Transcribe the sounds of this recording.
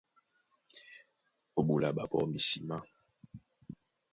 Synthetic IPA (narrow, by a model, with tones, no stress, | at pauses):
o˨ɓu˨la˨ɓa˨bɔ̰˦mi˨si˨ma˦